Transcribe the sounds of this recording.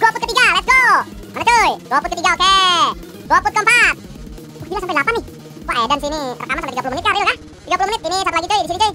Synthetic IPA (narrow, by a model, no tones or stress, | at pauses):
ɡopʊt̪̚kət̪iɡalat̪̚ɡomanat̪ojɡopʊt̪kət̪iɡaoke | ɡopʊt̪̚kəmpat̪̚ | ubilaŋsampajlapanɪh | waedans̬inipərk̪amasampejt̪iɡapulʊmənɪt̪̚kaɾiloɡa | t̪iɡapulumənɪt̪̚inisamp̪laɡit̪uidisinit̪ʊi